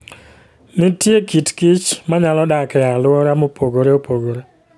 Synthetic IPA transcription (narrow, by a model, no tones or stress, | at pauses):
nɪtjekitkɪt͡ʃmaɲalɔdakɛalʊɔɾamopoɡoɾeopoɡoɾe